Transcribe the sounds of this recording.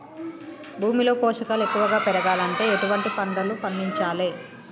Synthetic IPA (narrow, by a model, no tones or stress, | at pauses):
bʱuːmilo̞ːpoːʂɐkalekːuʋɐɡaːpɛɾɐɡaːlɐɳʈe̞ːeʈuʋɐɳʈipɐɳɖɐlupɐɳɖiɲt͡ʃaːle̞ː